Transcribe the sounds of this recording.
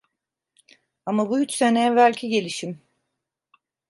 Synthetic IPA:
amabuyt͡ʃse̞nɛɛvælʲcʰiɟe̞lʲiʃim

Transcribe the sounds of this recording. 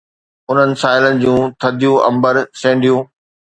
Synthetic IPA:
ʊn̤ənɪ̆saːɪlənɪ̆d͡ʑũːt̪ʰɐd̪ʱijũʔɐ̰̃mbəɾsẽːɳɖijũː

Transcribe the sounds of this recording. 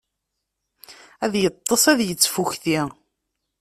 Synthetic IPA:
æðjət̪ˤːəsˤæðjət͡sːfuçθi

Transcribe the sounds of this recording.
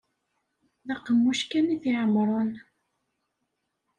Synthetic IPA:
ðɑqːəmːuʃkæniθiʕəmɾˤon

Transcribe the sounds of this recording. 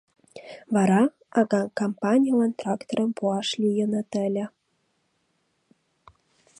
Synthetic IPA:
vɑɾɑ | ɑɣɑkompɑnʲijalɑnt̪rɑkt̪oɾəmpuɑʃlʲyjə̆nə̆t̪ə̆lʲə̆

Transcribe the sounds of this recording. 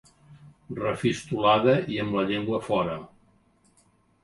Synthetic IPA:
rəfist̪ulaðəiəmbləʎeŋɡwəfɔɾə

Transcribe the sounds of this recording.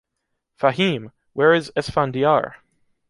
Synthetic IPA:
fahĩm | wɛɹɪzɛsfɑ̃ndiɑ̰ɹ

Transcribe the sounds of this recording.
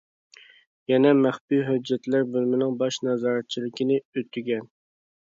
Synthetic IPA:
jɛnɛmæχbiɦød͡ʒːɛt̪læɾbølmɪnɪŋbɑʃnɑzɑːɾɛt̪̚t͡ʃʰilɪkʲinɪøt̪ʰːyɡʲɛn

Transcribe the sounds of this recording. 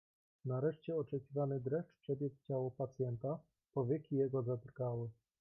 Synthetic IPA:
naɾɛʂt͡ɕɛɔt͡ʂɛkʲivanɘd̪ɾɛfʈ͡ʂpʂɛbʲjɛkt͡ɕawɔpat̪sʲjɛnt̪a | pɔvʲjɛkʲijɛɡɔzad̪rɡawɘ

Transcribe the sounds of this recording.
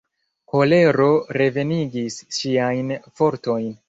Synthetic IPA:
ko̞le̞ɾo̞ɾe̞ve̞niɡisʃiajnfo̞ɾto̞jn

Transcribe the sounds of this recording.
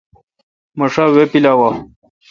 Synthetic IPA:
mɐʂawepilawa

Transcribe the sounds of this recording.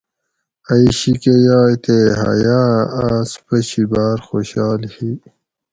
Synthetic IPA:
aiɕikejɑːjt̪eɦa̰jaːaspəɕibaːɾxoɕɑːlhi

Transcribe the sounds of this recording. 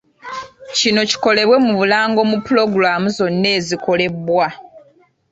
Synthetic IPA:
cino̞ci̥ko̞le̞βwe̞muβulaːŋɡo̞mupulo̞ɡɾamuzo̞nːe̞ːziko̞le̞βwa

